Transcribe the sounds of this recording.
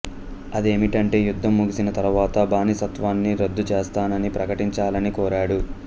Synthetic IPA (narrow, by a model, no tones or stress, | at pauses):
ɐd̪e̞ːmiʈɐɳʈe̞ːjud̪ʱːɐmːuɡisinɐt̪ɐɾuʋaːt̪ɐbaːnisɐt̪ʋaːnːiɾɐd̪ːut͡ʃeːst̪aːnɐnipɾɐkɐʈiɲt͡ʃaːlɐnikɔːɾaːɽu